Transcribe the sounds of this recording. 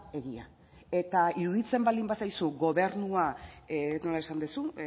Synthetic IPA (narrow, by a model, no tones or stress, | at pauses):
e̞ɣia̰ | e̞t̪aiɾuðit͡se̞mbald̪imbasajsuɡo̞βe̞ɾnuaeno̞lae̞sand̪esu